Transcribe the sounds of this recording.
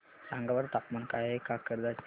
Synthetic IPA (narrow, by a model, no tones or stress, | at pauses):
sãŋɡaʋəɾt̪apmankaɦekakəɾd̪at͡s